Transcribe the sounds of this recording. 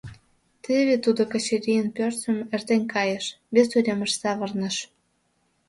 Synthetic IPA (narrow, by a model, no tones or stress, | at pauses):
t̪eβet̪ud̪okə̆t͡ɕeɾʲijənpørt͡sə̆mert̪enʲkɑjə̆ʃ | βesyɾʲemə̆ʃsɑβə̆rnə̆ʃ